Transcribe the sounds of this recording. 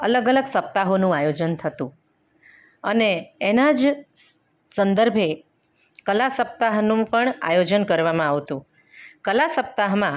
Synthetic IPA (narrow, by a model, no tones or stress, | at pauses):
ələɡələɡsəp̚t̪aɦonũajod͡ʒənt̪ʰət̪ṵ̃ | əneːnad͡ʒ | sənd̪əɾbʱe | kəlasəp̚t̪aɦnũpəɳa̰jod͡ʒənkəɾʋamãaʋt̪ũ | kəlasəp̚t̪aɦmã